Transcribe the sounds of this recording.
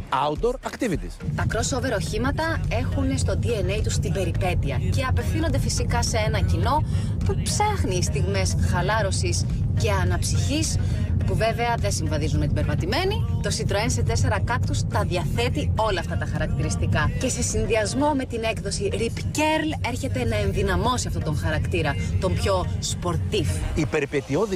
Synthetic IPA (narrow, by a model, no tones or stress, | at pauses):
ɐud̪oɾɐkt̪ivit̪ist̪ɐkɾo̞so̞ve̞ɾɐoçimɐt̪ɐe̞xunest̪o̞d̪iene̞jt̪ust̪ibe̞ɾipe̞t̪iɐce̞ɐpe̞fθino̞nd̪e̞fisikɐsee̞nɐcino̞ | pupsɐxniːst̪iɣme̞sxɐlɐɾo̞sis | ce̞ɐnɐpsiçis | puve̞veɐðe̞nsiɱvɐðizunmet̪ibeɾpɐt̪ime̞nit̪o̞sit̪ɾoense̞t̪e̞se̞ɾɐkɐkt̪ust̪ɐðiɐθe̞t̪io̞lɐːft̪ɐt̪ɐxɐɾɐkt̪iɾist̪ikɐce̞se̞sinðiɐzmo̞me̞t̪ine̞kðo̞siɾipce̞ɾle̞ɾçe̞t̪e̞nɐe̞nðinɐmo̞siɐft̪ot̪o̞ŋxɐɾɐkt̪iɾɐt̪o̞mpço̞spo̞ɾt̪ifipe̞ɾpet̪ioði